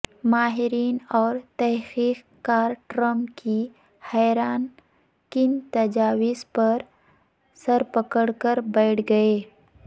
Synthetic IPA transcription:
maːɦɪɾiːnɔːɾt̪ɛɦxiːq | kaːɾʈɾəmpki | hɛːɾaːn | kɪnt̪ɐd͡ʒaːwɪspɐɾ | səɾpəkəɽkəɾbɛɪʈʰɡɐeː

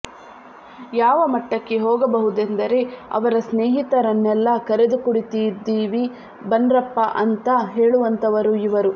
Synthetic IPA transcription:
jaːʋɐmɐʈːɐkːe̞ɦɔːɡɐbɐɦud̪end̪ɐɾe̞ɐ̰ʋɐɾɐsneːɦit̪ɐɾɐnːɛlːɐkɐɾed̪ukuɽit̪ijd̪ːiːʋi | bɐndɾɐpːɐʔɐnt̪ɐɦe̞ːɭuʋɐnt̪ɐʋɐɾuiʋɐɾu

